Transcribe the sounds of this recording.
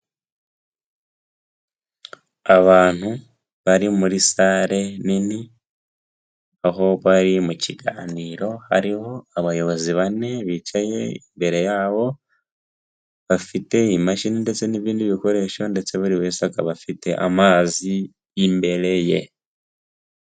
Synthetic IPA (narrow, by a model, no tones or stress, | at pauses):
aβaːn̥u | βaɾimuɾisaɾe̞nini | aɦo̞βaɾimuciɡaːniɾo̞ha̰ɾiho̞aβajo̞βo̞ziβane̞βit͡ʃaje̞imbe̞ɾe̞jaːβo̞ | βafite̞imaʃininde̞t͡se̞niβiːndiβiko̞ɾe̞ʃo̞nde̞t͡se̞βuɾiβesaka̰βafite̞ʔa̰maːzi | jːmbe̞ɾe̞je̞̰